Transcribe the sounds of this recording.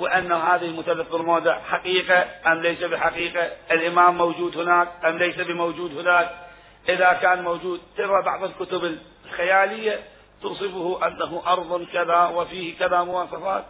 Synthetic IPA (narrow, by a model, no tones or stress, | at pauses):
wɪʔanːahaːðɪhɪlmʊθalːafbɪlmoːd̪aħaqiːqaʔamlejsabɪħaqiːqaʔɪlʔɪmaːmːowd͡ʒuːd̪hɪnaːkʔamlejsabɪmowd͡ʒuːd̪hɪnaːk̚ | ʔɪðakaːnmowd͡ʒuːd̪̚t̪ɪɾɾabɑ̰ʕðˤɪlkʊt̪ʊbɪl | xajaːlɪjːa | t̪uːsˤɨfʊhʊʔanːaɦuʔɑɾˤðˤʊnkaðawɪfiːhkaðamʊwɑːsˤɑfaːt̪̚